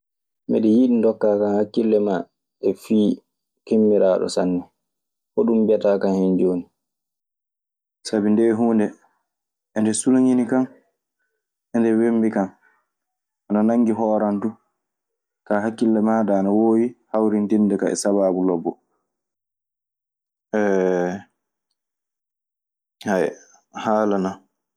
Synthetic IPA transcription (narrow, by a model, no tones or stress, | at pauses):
mɛ̰ɗɛjiɗindɔkːaːkanhakːilːɛma | ʔɛfiː | kemːiɾaːɗɔ̰sa̰nːɛ | ʔɔɗumbiataːkanhɛnd͡ʒoːni | sabindɛɦuːndɛ | ʔɛndɛsulaɲinikan | ʔɛndɛwembikan | ʔananaŋːɡiɦɔːɾantu | kaːɦakːilːamaːdaːnawoːjihawɾintindɛkaɛ̰saβaːbulɔbːɔ | ʔɛ | haj | haːlana